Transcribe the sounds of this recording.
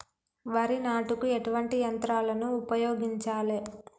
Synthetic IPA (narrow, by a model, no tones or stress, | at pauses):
ʋɐɾinaːʈukueʈuʋɐɳʈijɐnt̪ɾaːlɐnuːpɐjoːɡiɲt͡ʃaːle